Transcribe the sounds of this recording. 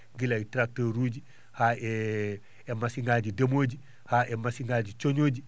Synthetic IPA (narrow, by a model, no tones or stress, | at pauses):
ɡilajtɾak̚toɾuːɟi | haːe | emasiŋɡaɟidɐmoːɟi | haːʔemasiŋɡaːɟit͡ʃoɲoːɟi